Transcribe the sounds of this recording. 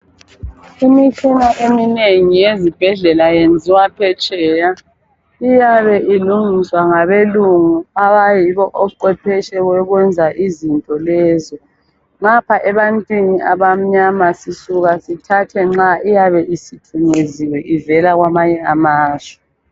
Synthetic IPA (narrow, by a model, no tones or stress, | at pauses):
imit͡ʃʰinaʔemineŋijezib̥ʱɛɮɛlajend͡zʱiwapʰɛt͡ʃʼɛːja | ijaβɛʔiluŋiswaŋaβeluŋuaβajiβɔʔɔǃwɛpʰɛʃɛɣwɛɣwɛnd͡zʱaʔizintʼɔlɛzɔ | ŋapʰaʔɛβantʼwiniʔaβam̩ɲamasisuɣasitʰatʰɛŋ͡ǁaʔijaβɛʔisitʰuɲeziwɛʔivɛlaɣwamaɲɛamaːzɛ